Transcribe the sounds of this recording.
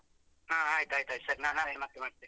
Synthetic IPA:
ɦãːɦaːjt̪ajt̪aj̪sɐɾnãɦamat̪ːemaɽt̪e

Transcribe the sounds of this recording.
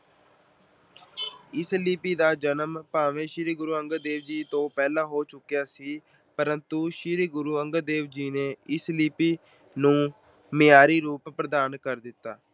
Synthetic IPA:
ɪsliːpiːd̪aːd͡ʒənəmpaːʋẽːʃɪɾiːɡʊɾuːəŋɡəd̪eːʋd͡ʒiːt̪õːpɛːlaːɦoːt͡ʃʊkːjaːsiː | pəɾənt̪uːʃɪɾiɡʊɾuːəŋɡəd̪eːʋd͡ʒiːneːɪsliːpiː | nũː | mɪaːɾiːɾuːppɾəd̪aːnkəɾd̪ɪt̪ːaː

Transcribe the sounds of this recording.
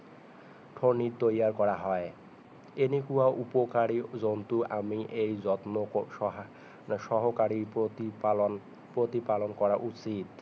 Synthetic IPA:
ʈʰoniɾt̪ojaɾkɔɾaɦɔe | enikuaʔupokaɾid͡ʑont̪uʔamiʔejd͡ʑɔt̪no | ʃɔɦokaɾi | l | pɾot̪ipalonkɔɾaʔut͡ɕit̪

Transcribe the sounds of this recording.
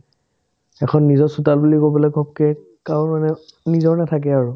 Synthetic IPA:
ɛkʰɔnːizɔsutalbulikobɔlɛɡʱɔp̚kɛ | kawmanɛnizɔɹnɛtʰak̬ɛaɹu

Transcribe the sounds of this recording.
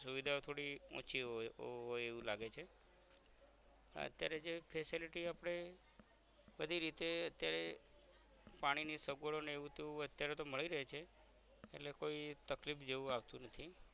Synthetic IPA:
suʋid̪ʱaot̪ʰoɽiɔ̰̃t͡ʃʰiɦoeʋũlaɡet͡ʃʰe | ə̰t̪jaɾed͡ʒepʰesiliʈiapəɽ̃e | bəd̪ʱiɾit̪eət̪jaɾe | paɽ̃inisəɡəɭoneeʋũt̪eʋũət̪jaɾet̪oməɭiɾəɦet͡ʃʰeː | ʈlekoit̪əklifd͡ʒeʋũaʋt̪ũnət̪ʰi

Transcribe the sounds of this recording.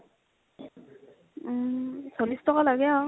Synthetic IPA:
sʰolistʰɔkalaɡɛɔ

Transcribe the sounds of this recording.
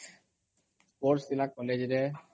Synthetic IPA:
poɾsilakɔled͡ʑɾe

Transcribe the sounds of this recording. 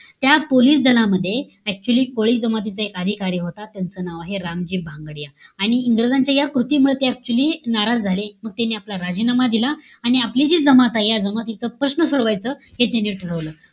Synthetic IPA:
t̪japoliːsd̪əlaməd̪ʱːje | æk̚t͡ɕuəliːkoɭiːd͡zəmat̪̬it͡səekəd̪ʱikaɾiːɦot̪at̪jant͡sənaʋaɦeɾamd͡ʑiːbʱãŋɡɽijaːɽ̃iːŋɡɾəd͡zaɲt͡ɕjajakɾut̪iːmuɭet̪eɛk̚t͡ɕuəliːnaɾad͡zd͡zʱaleməɡ̚t̪aniaplaɾad͡ʑinamad̪ilaaɽ̃iaplid͡ʑiːd͡zəmat̪ajjad͡zəmat̪it͡səpɾəsnəsoɽʋajt͡səːhet̪janiʈʰəɭəʋləː

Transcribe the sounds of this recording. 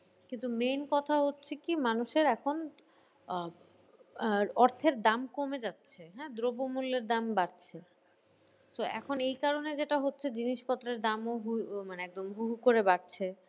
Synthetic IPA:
kint̪umenkɔt̪ʰaɦotːɕʰekimanuʃeɾɛkʰon | ɔɾt̪ʰeɾd̪amkomed͡ʑatːɕʰeɦɛ̃d̪ɾobomulːeɾd̪ambaɾt͡ɕʰe | soɛ̰kʰonejkaɾoned͡ʑeʈaɦotːɕʰed͡ʑiniʃpɔt̪ːɾeɾd̪amoɦumaneɛk̚d̪omɦuɦukoɾebaɾt͡ɕʰe

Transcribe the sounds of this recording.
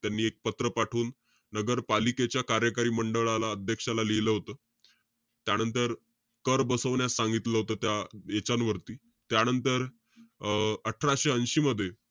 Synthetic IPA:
t̪janːiːek̚pət̪ɾəpaʈʰuːnː | əɡəɾpaliket͡ɕjakaɾjəkaɾiːməɳɖəɭalaəd̪ʱjəkʂalaleləɦot̪əː | t̪janənt̪əɾ | kəɾbəsəʋɳjasːaŋɡit̪ləɦot̪əːt̪jaet͡ɕanʋəɾt̪iː | t̪janənt̪əɾ | əʈʰəɾaɕeənɕiːməd̪ʱːje

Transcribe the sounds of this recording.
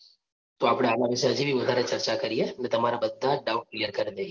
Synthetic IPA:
t̪oaːpɽeaːlamiseɐd͡ʒʱibʱiʋɐd̪ʱaːɾet͡ʃɐɾt͡ʃakɐɾiɦɛmɛ̃t̪ɐmaːɾabɐd̪ːaɖaːʊnklijəɾkɐɾd̪eː

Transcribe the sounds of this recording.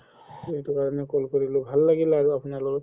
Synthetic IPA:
ejtukaɹɔnɛkolkoɹilʊ̃bʱalːaɡilaɹuapunaɹlɔkɔt

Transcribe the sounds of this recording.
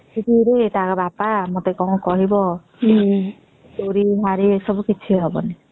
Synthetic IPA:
idiɾet̪akɔbapamot̪ekɔw̃kɔɦibɔ | toɾiɦaɾisɔbukit͡ʃʰiɦɔbɔ̰ni

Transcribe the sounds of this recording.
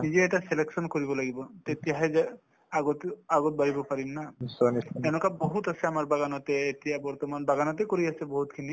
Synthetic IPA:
nid͡ʒeɛʈaseleksɔnkɔɾibɔlaɡibɔt̪et̪ijaɦɛd͡ʒa | aɡɔt̪aɡɔt̪̚baɾibɔpaɾinːasaniɛnukabɔɦut̪asʰeamaɾbaɡanɔt̪eːt̪ijabɔɾt̪ɔmanbaɡanɔt̪ekɔɾiasʰebɔɦut̪kʰini

